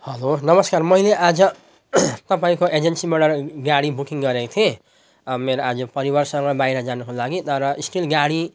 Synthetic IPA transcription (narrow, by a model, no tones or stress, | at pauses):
hʌlonʌmʌskarmʌileʔad͡zʌ | t̪ʌpaĩkoʔed͡ʒensimɽʌrɡaɽibukiŋɡʌɾekt̪ʰie | meɾoad͡zʌpʌɾibʌrsʌŋɡʌbajɾʌd͡zanukolaɡit̪ʌɾʌisʈilɡaɽi